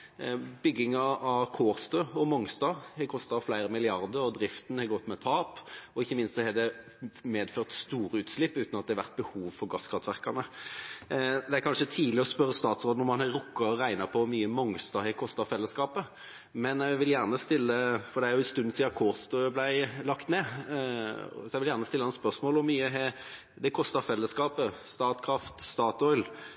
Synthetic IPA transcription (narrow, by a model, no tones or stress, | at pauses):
bʏɡːɪŋɑɑʋkʰoːʁst̪øːɔmɔŋst̪ɑʁhɛkʰɔst̪ɑflæɪɾəmɪlɪɑɾd̪əɾɔd̪ɾɪft̪n̩hɛɡɔt̪ːmɛt̪ʰɑːpɔɪçːəmɪnst̪sɔhɛd̪ɛ | meːd̪føːʁt̪st̪uːɾəʉːt̪slɪpːʉːt̪nɑt̪d̪ɛhɛʋæ̰ʁt̪̚bəhuːʋfɔɾɡɑskʰɾɑt̪ʰʋæʁkɑnə | d̪ɛæɾkʰɑnʂət̪ʰiːlɪɔspœɾːəst̪ɑːt̪sʁoːd̪ənɔmɑnæɾʊkːɑɔʁæɪnɑpʰɔmyːəmɔŋst̪ɑhɛkʰɔst̪ɑfɛlːəskɑːpə | mɛnɛʋɪljæʁnəst̪ɪlːəfɔɾd̪ɛæɾjʊɛst̪ʉnːnsiːɑkʰɔːst̪əblæɪlɑkt̪neː | sɔɛʋɪljæːʁnəst̪ɪlːəɑnspœʁsmoːlɔmːyːəɦɛ | d̪ɛkʰɔst̪ɑʁfɛlːəskɑːpəst̪ɑːt̪kʰɾɑft̪st̪ɑːt̪ɔʏl